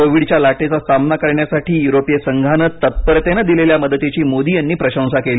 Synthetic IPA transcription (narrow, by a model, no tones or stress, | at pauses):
koʋiɽt͡ɕjalaʈet͡sasamnakəɾɳjasaʈʰiːjuɾopjesəŋɡʱanət̪ːət̪̚pəɾt̪enəd̪ileljaməd̪ət̪et͡ɕiːmod̪iːjanːiːpɾəɕə̃w̃sakeli